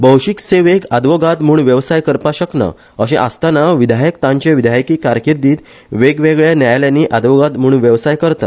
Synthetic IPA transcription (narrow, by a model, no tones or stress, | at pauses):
bəwɕikseʋeɡad̪ʋɔɡat̪muːɳʋjəʋsajkəɾpaɕəkna̰ | əɕẽʔa̰st̪anaʋid̪ʱajəkt̪ãɲt͡ɕeʋid̪ʱajkiːkaɾkiɾd̪iːt̪ | ʋeɡʋeɡɭjanjajljaniːʔad̪ʋɔɡat̪m̤uːɳʋjəʋsajkəɾt̪at̪